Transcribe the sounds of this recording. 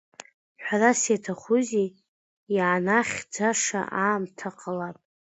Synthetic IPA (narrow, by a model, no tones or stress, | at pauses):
ħᶣʷarasetʰaχʷuzi | jaːnaχʲd͡zaʂa̰ʔaːmtʰaqʰʼəlapʼ